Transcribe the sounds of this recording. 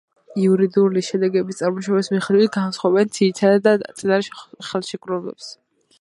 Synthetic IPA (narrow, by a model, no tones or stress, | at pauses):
iuɾid̪iuliʃɛd̪ɛɡɛbist̪sʼaɾmɔʃɛbismiχd̪iwit̪ʰɡansχwaɔbɛnt̪sʰiːt̪ʰad̪ad̪at̪sʼinaɾiʃχɛlˠʃɛkʼɾɛlɛ̰ps